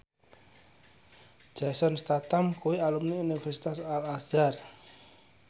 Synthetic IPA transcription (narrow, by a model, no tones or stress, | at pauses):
d͡ʒ̥asɔnst̪at̪amkuwialumniunifɛrsi̥t̪asalaz̥ar